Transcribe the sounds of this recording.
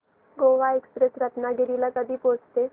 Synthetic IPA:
ɡoːʋaekspɾesɾət̪naɡɪɾilakad̪ʱipoːt͡ʃt̪e

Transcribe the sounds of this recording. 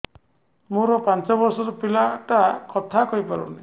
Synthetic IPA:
muɾɔpant͡ʃɔbɔɾsɔɾɔpilaʈakɔt̪ʰakɔjpaɾṵni

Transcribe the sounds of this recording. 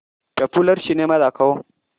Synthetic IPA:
pepulɐɾʃineːmɐdakɐwo

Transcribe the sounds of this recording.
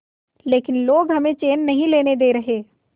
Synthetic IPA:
leːkɪnloːɡɦɐmẽt͡ʃeːnːɐɦĩleːned̪eːɾɐɦeː

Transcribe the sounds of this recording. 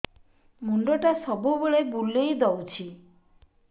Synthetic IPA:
muɳɖoʈasɔbubeɭebulːejd̪ɔwt͡ʃʰi

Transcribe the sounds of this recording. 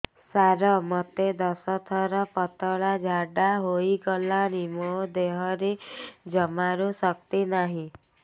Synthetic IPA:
saɾɔmɔt̪ed̪ɔsɔt̪ʰɔɾɔpɔt̪ɔɭad͡ʒʱaɖaɦoiɡɔlanimɔd̪eɦɔɾed͡ʒɔmaɾusɔkt̪inaɦĩ

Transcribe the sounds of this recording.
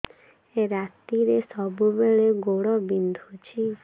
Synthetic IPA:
eɾat̪iɾesɔbubeɭeɡoɽɔbind̪ʱut͡ʃʰi

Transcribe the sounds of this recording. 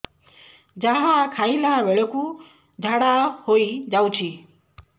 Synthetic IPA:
d͡ʒaɦãkʰaĩlaʋeɭɔku | d͡ʒʱaɽahoid͡ʒawt͡ʃʰi

